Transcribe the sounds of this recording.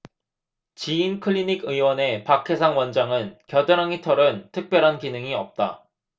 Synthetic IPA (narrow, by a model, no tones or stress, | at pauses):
t͡ɕiːnkʰɯʎːiniɡɯiwʌne̞pakʰe̞sʰaŋwʌnd͡ʑaŋɯnkjʌdɯɾaŋitʰʌɾɯntʰɯk̚p͈jʌɾɦankinɯŋiʌp̚t͈a̰